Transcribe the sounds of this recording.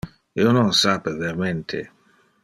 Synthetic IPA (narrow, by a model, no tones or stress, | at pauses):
iononsapeveɾament̪ʰḛ